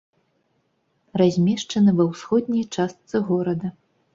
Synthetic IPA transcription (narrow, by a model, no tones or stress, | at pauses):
razʲmʲɛʂt͡ʂɐnɨvɐwsxɔd̪ʲnʲɐjt͡ʂast̪sɨɣɔɾɐd̪ɐ